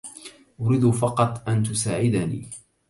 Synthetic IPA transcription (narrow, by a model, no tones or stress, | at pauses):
ʔʊɾiːd̪ʊfɑqɑt̪ˤʔant̪ʊsaːʕɪd̪anḭː